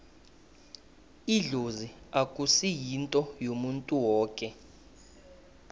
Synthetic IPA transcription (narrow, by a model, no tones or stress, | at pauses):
iɮoziakʼusijintʼɔjomuntʼuwɔːkʼɛ